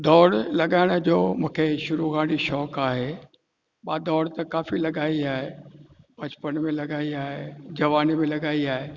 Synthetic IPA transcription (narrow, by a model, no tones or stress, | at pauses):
d̪ɔːɽlɐɠaːɪɽ̃ə̆d͡ʑoːmũːkʰeʃʊɾuɣaːɽiʃɔːkaːɦe | ɓaːd̪ɔːɽt̪ɐkaːfilɐɠaːiaːɦebɐt͡ɕpənmẽlɐɠaːiaːɦed͡ʑɐʋaːnimẽlɐɠaːiaːɦeː